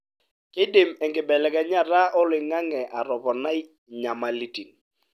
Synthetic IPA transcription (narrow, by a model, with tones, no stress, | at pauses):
kɪ˦dɪ˨mɛ˨ŋkɪ˨bɛ˨lɛ˦˨kɛ˨ɲa˦ɾa˦ʔɔ˦lɪ˨ŋa˦ŋɛ˨ʔa˨ɾɔ˨pɔ˨na˦i˦ | ɲa˨ma˨li˦ti˨n